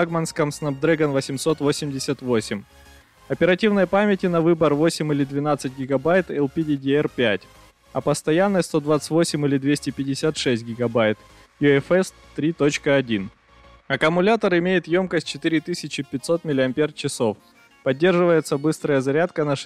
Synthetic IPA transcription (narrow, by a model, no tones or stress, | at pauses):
aɡmənskəmsnɐp̚d̪ɾɛɡənvəsʲɪmso̞t̪vosʲɪmdʲɪsʲət̪vo̞sʲɪmʲ | ɐpʲɪɾɐtʲivnəjəpamʲɪtʲɪnɐvɨbərvo̞sʲɪmʲɪlʲɪd̪vʲɪnat̪sɨtʲɡʲɪɡɐbajt̪ɛlˠpʲɪdʲɪdʲɪɛrpʲætʲ | ɐpəst̪ɐjanːəjst̪o̞d̪vat̪sɨ̥tʲvo̞sʲɪmʲilʲɪd̪vʲesʲtʲɪpʲɪdʲɪsʲat̪ʂɛsʲt̚ʲɡʲɪɡɐbajt̪ | jʊɛfɛs | t̪ːɾʲit̪o̞t͡ɕkəɐdʲin | ɐkəmʊlʲat̪əɾɪmʲejɪt̪jo̞mkəsʲt̚ʲt͡ɕɪt̪ɨɾʲɪt̪ɨsʲɪt͡ɕɪpʲɪt̪ʲso̞t̪̚mʲɪlʲɪɐmʲpʲer̚t͡ɕɪso̞f | pɐdʲːe̞rʐɨvəjɪt̪səbɨst̪ɾəjəzɐɾʲat̪kənɐʂ